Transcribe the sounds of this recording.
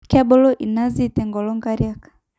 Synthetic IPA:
ka˦bɔ˦lɔ˦ʔi˨na˦zi˦tɛ˨ŋɡɔ˨lɔ˦ŋɡa˦ɾijakḁ˨

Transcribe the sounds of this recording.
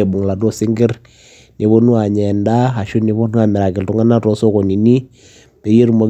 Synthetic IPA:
e˨bʊ˨ŋla˨dɔ˦sɪ˦ŋɡɪ˦ɾ | ne˨βo˦nu˦a˨ɲɛ˨nda˦a˨ʃu˦ni˦βɔ˦nu˦a˨mɛ˨ɾa˨kɪ˨ltu˦ŋa˦na˦tɔ˨˦sɔ˦kɔ˨ni˨ni˦ | be˨je˦ɾmo˨˦

